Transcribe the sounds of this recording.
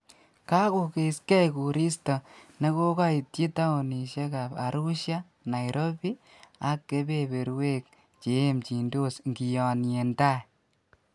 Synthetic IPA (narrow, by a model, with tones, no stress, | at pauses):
ka˦ko˨ke˨skɛ˦jku˨ɾi˦stɔ˨ne˦ko˦ka˦i˨tji˦ta˦o˨ni˨ʃe˦ka˨pa̰˨ɾu˦ʃja˦ | na˨jɾʔo˦bi˦ | a˦kke˦be˦be˨ɾwe˦k̚ | t͡ʃe˨emt͡ʃi˨ndo˦sŋɡi˨jɔ˨nje˨nta˦j